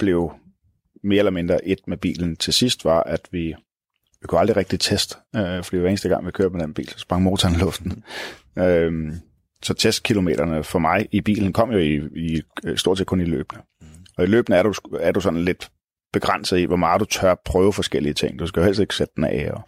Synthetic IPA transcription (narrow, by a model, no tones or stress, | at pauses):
b̥le̝ʊ | me̝ːɐelɐme̝nd̥ʁɐʔe̝d̥meb̥ḭːln̩t͡sʰe̝sisd̥ʋɑ̈ʔæd̥ʋi | ʋikʰuɑ̈ld̥ʁiʁɛɡ̥̚d̥it͡sʰesd̥fd̥ḭdʋɑe̝n̩sd̥əɡ̥ɑ̈ŋʋikʰø̰ɐb̥med̥enb̥ḭːlsɒsb̥ʁɑ̈ŋmo̝ːt͡sʰɐnlɔ̽fd̥n̩ | ø | sɒ̽t͡sʰesd̥̚kʰilo̝me̝̰ːɾ̥ɐnəfɒ̽mɑ̈ɪib̥ḭːln̩kʰɒ̽m̰jo̝iisd̥oɐdse̝ːdkʰɔ̽nilø̰ːb̥nə | ɒ̽ilø̰ːb̥nəæɐɾ̥uæɐdusɒ̽nn̩le̝d̥ | b̥e̝ɡ̥ʁan̰səð̩ˠḭʋɒmɑ̈ð̩ˠd̥ut͡sʰɶɐpʰʁœːʊəfɒ̽sɡ̥el̰iət͡sʰe̝ŋ̰d̥uskæjo̝helseɡ̥sed̥əd̥enʔɛ̰ːɒ